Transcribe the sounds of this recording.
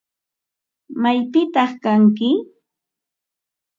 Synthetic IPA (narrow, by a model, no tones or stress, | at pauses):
majpɪt̪ɑχkaŋkɪ